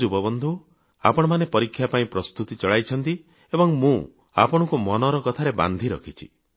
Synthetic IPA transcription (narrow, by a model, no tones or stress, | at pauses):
ubɔbɔnd̪ʱu | a̰pɔɽ̃ɔmanepɔɾikʰːjapaĩpɾɔst̪ut̪it͡ʃɔɭajt͡ʃʰɔnt̪i | ebɔŋmũ | a̰pɔɽ̃ɔkumɔnɔɾɔkɔt̪ʰaɾeba̰nd̪ʱiɾɔ̰kʰit͡ʃʰḭ